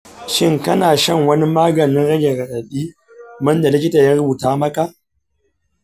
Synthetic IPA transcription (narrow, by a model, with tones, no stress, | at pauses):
ʃɪ˦ŋkɐ˦naː˨ʃɐ˦˨ŋwɐ˦ni˦maː˦ɡɐ˨nɪ˦nɽɐ˦ɡʲɛ˨ɾɐ˨ɗɐ˨ɗiː˦ | mɐ˦nda˨lɪ˦kʲɪ˦ta˨jaː˦ɽʊ˦buː˨taː˦mɐ˦ka˨